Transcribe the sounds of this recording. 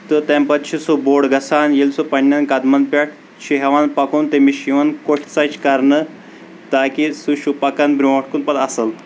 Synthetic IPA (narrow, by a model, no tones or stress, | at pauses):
t̪ɨt̪empɐt̪̚t͡ʃʰisuboːɽɡɐsanjelsupɐɳʲːankɐd̪mɐnpʲaʈ̚ʰ | t͡ʃʰiɦɛʋanpɐkuːnt̪emiʃiʋɐnkoʈʰt͡sat͡ʃʰkɐɾnə | t̪akisuʃupɐkanbɾʲũʋɐʈʰkunpɐt̪ɐsəl